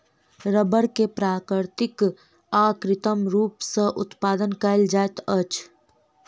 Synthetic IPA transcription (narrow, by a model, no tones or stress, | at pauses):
ɾəbəɽkepɾaːkɾɪɾt̪ɪk | aːkɾɪt̪əmɾuːpsəʔʊt̪paːd̪ənkəɪld͡ʒaːjt̪ət͡ʃ